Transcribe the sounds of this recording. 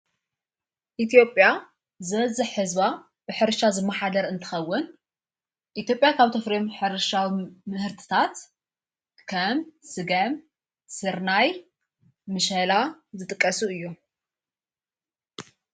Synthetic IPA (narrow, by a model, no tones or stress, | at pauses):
ʔit̪ʰjo̞pʼja | zɨβɐzɨħːɨzβa | bɨħɨɾʃazɨmːɐħad̪ɐɾɨnt̪ʰɨ̥xɐwːʊn | ʔit̪jo̞pʼjakʰaβt̪ʰɐfɾimħɨɾɨʃawimɨhɨɾt̪ʰɨ̥t̪ʰat̪ | kʰɐmsɨɡɐm | sɨɾnaj | mɨʃɐlazɨt̪ʼɨkʼːɐsuɨjːu